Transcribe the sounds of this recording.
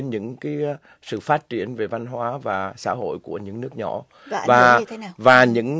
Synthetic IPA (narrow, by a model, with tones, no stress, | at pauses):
nɲɨ̰˧˥ŋkaː˨˦j | sɨ̰˧˨faː˦˥t̚t͡ɕi˧˩ənve˨˩va˧nɦwaː˨˦vaː˨˩sa̰ː˧˥ɦo̰˧˨jku˧˩əɲɨ̰˧˥ŋnɨ˦˥ək̚ɲɔ̰˧˨ | vaː˨˩˦vaː˨˩ɲɨ̰˧˥ŋ